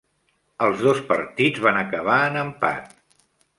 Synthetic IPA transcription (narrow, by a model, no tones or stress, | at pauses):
əlˠzðospə̰ɾt̪idd͡zβanəkəβ̞aənəmpa̰t̪